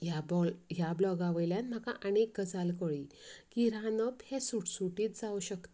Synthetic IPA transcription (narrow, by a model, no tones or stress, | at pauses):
jabɔɦjablɔɡaʋəjljanm̤akã̰ʔənek̚ɡəd͡zalkɔɭikiɾanəphesuʈsuʈiːt̪d͡zauɕəkt̪